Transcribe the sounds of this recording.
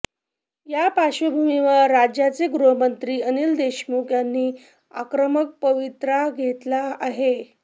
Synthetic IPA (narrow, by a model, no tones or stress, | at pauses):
japaɕəbʱumiʋəɾːad͡ʑjat͡seɡɾuɦəmənt̪ɾiːənild̪eɕmukjanːiː | a̰kɾəmək̚pəʋit̪ɾaɡʱet̪laaɦe